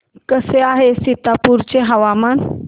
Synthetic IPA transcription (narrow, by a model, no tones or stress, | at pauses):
kəseaɦesit̪apuɾt͡ɕeɦəʋaman